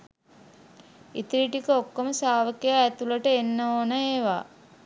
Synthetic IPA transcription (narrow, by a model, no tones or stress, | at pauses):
it̪iɾiʈikəokːoməsaːʋəkejaːt̪uləʈəenːəoːnəeːʋa̰ː